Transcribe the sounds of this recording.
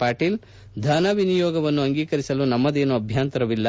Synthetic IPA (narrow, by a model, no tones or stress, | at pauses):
paːʈiːl | d̪ʱɐːnɐʋinijɔːɡɐʋɐnːuɐŋɡiːkɐɾisɐlunɐmːɐd̪eːnuɐbʱjaːnt̪ɐɾɐʋilːɐ